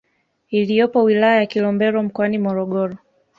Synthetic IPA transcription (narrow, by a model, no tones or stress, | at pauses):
ilijɔpɔwilajajakilɔmbɛɾɔm̩kɔanimɔɾɔɠɔɾɔ